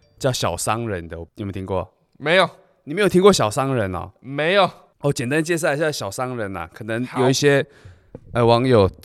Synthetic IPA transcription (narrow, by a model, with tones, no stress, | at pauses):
t͡ɕjɑ˥˩ʊɕjɑ˨˩ʊsɑ˥ŋɻə˧˦nd̪ə˧˩ɔ˨˩˨t̪ʰi˥kwɔ̰˥˩ | me˧˥ɪjo˨˩ʊ | ni˨me˧˥jo˨˩t̪ʰi˥kwɔ˥˩ɕjɑ˨˩ʊsɑ˥ŋɻə˧˦nɐ̰˨˩me˧˥˦ɪjo˨˩ʊ | o˥˨˩t͡ɕjɛ˨˩nt̪a˦nt͡ɕjɛ˥˧s̬a˥˧ɪt͡ɕjɑ˥˩ɕjɑ˨˩ʊsɑ˥ŋɻə˧˥nɐ̰˨kʰɤ˨˩nə˧˦ŋjo˨˩ʊi˥˩ɕjɛ˥ | ə˧˩wɑ˧˥ŋjo˨˩ʊ